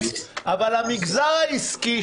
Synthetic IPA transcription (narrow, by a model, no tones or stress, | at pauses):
ʔavalamiɡzaʁaiski